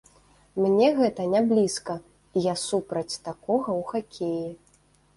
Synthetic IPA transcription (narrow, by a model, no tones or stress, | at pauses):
mnʲɛɣɛt̪ɐnʲablʲiskɐ | ijasupɾɐt͡sʲt̪akɔɣɐwxakʲʰeji